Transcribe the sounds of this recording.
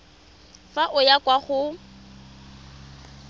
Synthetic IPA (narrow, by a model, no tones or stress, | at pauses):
faʔʊjakʼwaχʊ